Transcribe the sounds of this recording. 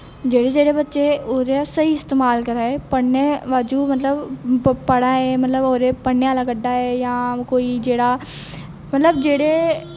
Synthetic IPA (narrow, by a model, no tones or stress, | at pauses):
d͡ʒeːɽeːd͡ʒeːɽeːbətːʃeːoːd̪esəiːɪst̪eːmaːlkəɾaːeːpəɽneːʋaːd͡ʒuːmət̪ləbpəɽaːɦeːmət̪ləboːɾeːpəɳːejãːlakəɖaːɛːjãːkoːiːd͡ʒeːɽaː | mət̪ləbd͡ʒeːɽeː